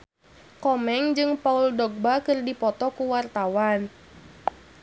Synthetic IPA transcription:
kɔmɛŋd͡ʒɨŋpauldɔɡ̚bakɨrdipɔt̪ɔkuwart̪awan

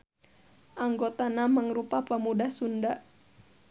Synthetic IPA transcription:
ʔaŋɡot̪anamaŋɾupapamudahsunda

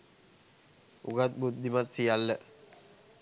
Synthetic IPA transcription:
uɡat̪̚but̪̚d̪imat̪̚sijalːə

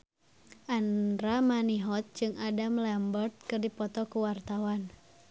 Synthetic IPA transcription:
ʔanɾamaniɦɔt̪̚d͡ʒɨŋadamlɛmbərt̪̚kɨrdipɔt̪ɔkuwart̪awan

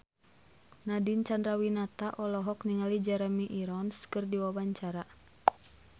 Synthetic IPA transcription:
nadint͡ʃandɾawinat̪aʔɔlɔɦɔkniŋalid͡ʒaɾmiʔiɾɔnskɨrdiwabaɲt͡ʃaɾa

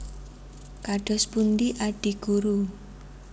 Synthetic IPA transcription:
kaɖ̥ɔ̤spundiʔaɖ̥i̤ɡ̥uɾu

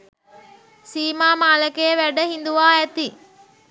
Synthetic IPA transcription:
siːmaːmaːləkejʋæɖəɦind̪uʋaːæt̪i

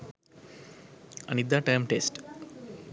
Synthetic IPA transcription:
ə̰̃nid̪aʈːãjmʈesʈ

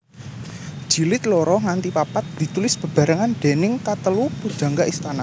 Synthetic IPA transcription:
d͡ʒ̥i̤lɪt̪̚lɔɾɔŋant̪ipapat̪̚d̪̥i̤t̪ulɪsb̥ə̤b̥a̤ɾaŋanɖ̪̥enɪŋkat̪əlupud̥d͡ʒ̥a̤ŋɡaʔist̪ana

